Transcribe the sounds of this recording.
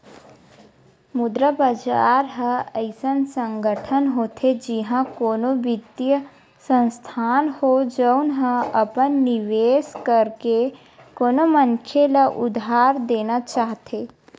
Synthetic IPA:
mʊd̪ɾəbad͡ʒaːɾɦəəɪsənsə̃ŋɡəʈʰənɦoːt̪ʰed͡ʒiɦãkoːnobɪt̪jə | sə̃nst̪ʰaːnhod͡ʒəwnɦə̃əpənːiʋeːskəɾke | koːnomənkʰelaʔʊd̪ʱaːɾd̪eːnat͡ʃaːɦt̪ʰe

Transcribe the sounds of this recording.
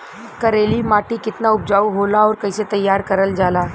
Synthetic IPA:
kəɾelimaʈikɪt̪naup̚d͡ʑauɦolaɔːɾkəjset̪əjːaɾkəɾəld͡ʒala

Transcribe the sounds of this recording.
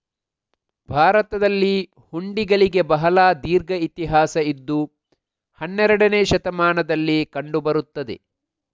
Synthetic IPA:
bʱaːɾɐt̪ɐd̪ɐlːi | huɳɖiɡɐɭiɡe̞bɐɦɐlaːd̪iːɾɡɐit̪iɦaːsɐid̪ːu | hɐnːɛɾɐɽɐneːʃɐt̪ɐmaːnɐd̪ɐlːikɐɳɖubɐɾut̪ːɐd̪e

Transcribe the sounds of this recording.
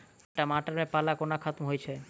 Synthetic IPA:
ɛʈamaʈaɾmepalakonakʰat̪mɦojt͡ɕʰe

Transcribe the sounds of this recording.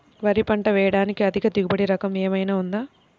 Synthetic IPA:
ʋɐɾipɐɳʈɐʋɛːjɐɽaːnikiɐd̪ʱikɐd̪iɡubɐɽiɾɐkɐmeːmɐjnaːund̪aː

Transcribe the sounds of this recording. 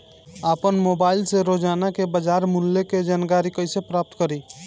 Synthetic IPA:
apənmobaːɪlseɾod͡ʒaːnakebəd͡ʒaɾmulːeked͡ʒaːnkaɾikəɪsepɾaːp̚t̪kəɾi

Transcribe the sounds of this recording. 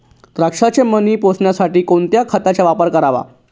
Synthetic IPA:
t̪ɾakʂat͡ɕeməniːposɳjasaʈiːkoɳt̪jakʰat̪at͡ɕjaʋapəɾkəɾaʋa̰

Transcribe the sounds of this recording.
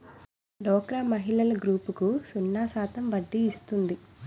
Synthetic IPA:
ɖɔːkɾaːmɐɦiɭɐlɐɡɾuːpukusunːaːsaːt̪ɐmʋɐɖːiːst̪und̪i

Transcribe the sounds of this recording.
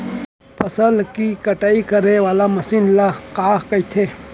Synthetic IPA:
pʰɐsəlkikɐʈaːikɐɾewaːlamɐsinlaqaːhkɐit̪ʰe

